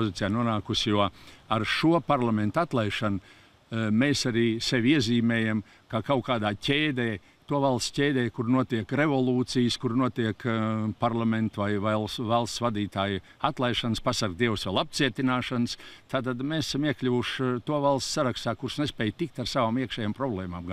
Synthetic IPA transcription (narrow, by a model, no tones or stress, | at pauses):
pozit̪sijaːnuɔnaːkusʲjuɔaɾʃuɔpaɾlˠamẽnt̪at̪lˠajʃanʊ | meːsaɾiːseʋʲiɛziːmɛːjam | kakawkaːd̪aːcʲeːd̪ɛː | t̪uɔvalˠst̪ʲcʲeːd̪ɛːkuɾnuɔt̪iɛkɾevolˠuːt̪sijskuɾnuɔt̪iɛkpaɾlˠament̪vajvalˠsvalˠst̪svad̪iːt̪aːj | at̪lˠajʃanspasaɾk̚d̪iɛwsʋɛlˠap̚t̪siɛt̪inaːʃanst̪ʰaːt̪̬ad̪mesḁsamiɛklʲuvuʃt̪uɔvalˠst̪saɾakst̪aːkuɾsnespɛjt̪ik̚t̪aɾsaʋaːmiɛkʃɛːjampɾɔblˠɛːmaːmɡ